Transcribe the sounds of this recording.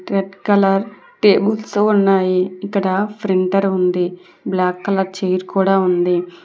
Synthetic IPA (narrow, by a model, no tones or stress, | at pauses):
ɾeɖkɐlɐɾ | ʈeːbulsuːunːaːjiikːɐɽɐpʰɾiɳʈɐɾund̪i | blaːkːɐlɐɾt͡ʃejɾkuːɽaːund̪i